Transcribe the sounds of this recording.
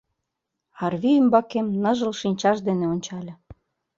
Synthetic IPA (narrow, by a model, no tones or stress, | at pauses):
ɑrβʲiymbɑkemnɤ̆ʒə̆lʃinʲt͡ɕɑʃd̪eneonʲt͡ɕɑlʲɤ̆